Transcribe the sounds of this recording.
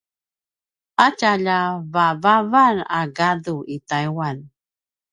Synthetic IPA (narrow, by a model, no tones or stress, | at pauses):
acaʎavavavanaɡaduʔitajwan